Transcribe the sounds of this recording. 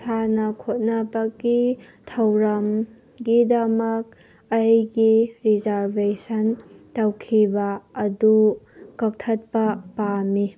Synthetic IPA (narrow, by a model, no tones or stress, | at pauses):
sʰanɐkʰot̚nɐbɐɡi | tʰɐwɾɐm | ɡidɐmɐk̚ | ɐjɡiɾizaɾbesɐntawkʰibɐːdukɐk̚tʰɐt̚pɐpami